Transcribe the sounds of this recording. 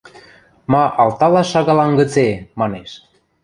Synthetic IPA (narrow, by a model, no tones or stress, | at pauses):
mɑʔɑlt̪ɑlɑʃɑɣɑlɑnɡə̆t͡semɑneʃ